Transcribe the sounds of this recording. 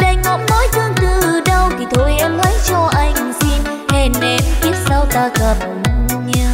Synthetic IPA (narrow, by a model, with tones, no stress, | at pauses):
ɗa˧jŋ̟ŋɔ˨˥nnɔ˨˦jt̪ʰɨ˧əŋt̪ɨ˧˩ɨ˨˩ɗə˧wt̪ʰi˨˩t̪ʰo˧jʔɛ˧mlə˨˦jt͡ɕɔ˧ʔa˧jŋ˨˩si˧n | he˨˩nɗe˨˩mt̪i˦˥ət̚sa˧wt̪aː˧kaː˧˩mə˨˩n˧ɲɨ˧